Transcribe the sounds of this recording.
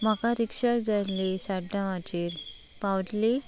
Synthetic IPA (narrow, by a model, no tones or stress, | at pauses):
m̤əkaɾikʂad͡zalesaɖãʋat͡ɕiːɾ | pawʈli